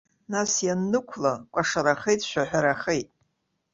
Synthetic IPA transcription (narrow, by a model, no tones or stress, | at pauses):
nasjanːɨkʷʰlakʷʼaʂaɾaχejtʼʃᶣaħʷᶣaɾaχejtʼ